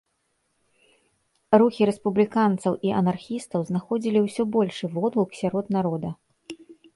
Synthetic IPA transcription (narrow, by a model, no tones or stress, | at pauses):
ruxʲiɾɛspublʲikant̪sɐwʔiʔɐnarxʲist̪ɐwznaxɔd͡zʲilʲiwsʲɔbɔlʲʂɨvɔd̪lˠuksʲaɾɔd̪naɾɔd̪ɐ